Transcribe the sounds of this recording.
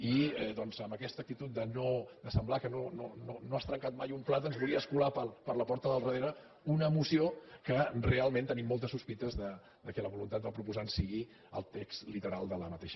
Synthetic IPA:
iɛðɔnzəmbəkɛst̪ək̚t̪it̪ut̪̚d̪ənod̪əsəmblakənonononoast̪ɾəŋkat̪̚majumplat̪ənzβulˠiəəskulapəlpəɾləpɔɾt̪əðəlˠrəðeɾə | unəːmusiokərealˠmẽnt̪ənimːolˠt̪əsuspit̪əzðə | d̪əkɛləβulunt̪at̪̚bapɾupuzansiɣi | ə̰lˠt̪ekst̪lit̪əɾalˠd̪ələmət̪eʃ

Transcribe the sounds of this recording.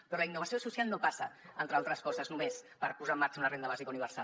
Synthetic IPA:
pɾɔləinːuβəsiosusialˠnopasəənt̪ɾəalˠt̪ɾəskɔzəznumespəɾpuzamːaɾt͡ʃəunərend̪əβazikauniβəɾsa

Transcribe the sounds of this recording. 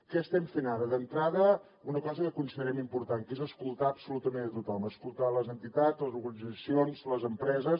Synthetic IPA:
kɛəst̪ɛmfenaɾəðənt̪ɾaðə | unəkɔzəkəkunsiðəɾɛmimpuɾt̪aŋkezəskulˠt̪aəbsulut̪əmenət̪ut̪ɔməskulˠt̪aləzənt̪it̪ad͡zləzuɾɣənid͡zəsionzləzəmpɾɛzəs

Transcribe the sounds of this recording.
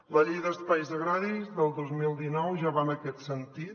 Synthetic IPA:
ləʎejðəspajzəɣɾaɾizðəlˠd̪ozmilˠd̪inɔwʒaβanəkɛt̪sənt̪it̪

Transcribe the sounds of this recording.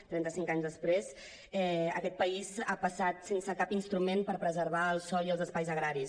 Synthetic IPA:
t̪ɾɛnt̪əsiŋkaɲzðəspɾez | ɛə̰kɛt̪̚pəizapəsat̪sensəkapinst̪ɾumenpəɾpɾəzəɾβ̞aəlˠsɔiəlˠzəspajzəɣɾaɾis

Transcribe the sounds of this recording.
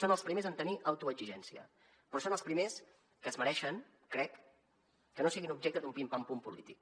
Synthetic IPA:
sonəlˠspɾimezənt̪əniʔawt̪uəd͡ʒiʒɛnsiə̰ | pɾɔsonəlˠspɾimes | kəzməɾɛʃəŋ | kɾɛkː | ənosiɣinub̚ʒɛkt̪əd̪ðumpimpampumpulit̪ik

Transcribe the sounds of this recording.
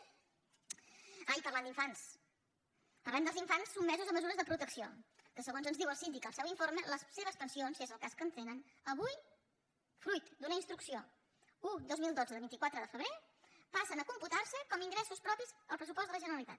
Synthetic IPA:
ajpəɾland̪iɱfans | əɾβɛnd̪əlˠziɱfansːubmɛzuzəməzuɾəzðəpɾut̪əksio̰kəsəɣ̞onzənzðiwəlˠsind̪ikəlˠsɛwiɱfoɾmələsseβ̞əspənsionzezəlˠkaskənt̪enən | əβuj | fɾujt̪d̪unəinst̪ɾuksio | ud̪ozmilˠd̪od͡zəðəlˠβint̪ikwat̪ɾəðəfəβɾe | pasənəkumput̪aɾsəkɔmiŋɡɾɛsuspɾɔpizəlˠpɾəsupɔst̪ələʒənəɾəlit̪a̰t̪

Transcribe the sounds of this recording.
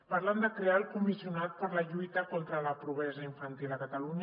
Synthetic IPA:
paɾland̪əkɾealˠkumisiunat̪̚pəɾləʎujt̪əkɔnt̪ɾələpɾuβɛzəiɱfənt̪iləkət̪aluɲ

